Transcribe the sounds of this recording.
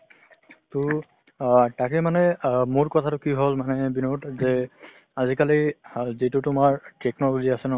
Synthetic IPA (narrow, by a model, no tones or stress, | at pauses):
tʊ | takemanɛmoɹkɔtʰatʊkiɦolmanɛbinotzɛ | azikalizitutʊmaɹtɛknɔloziasɛnɔ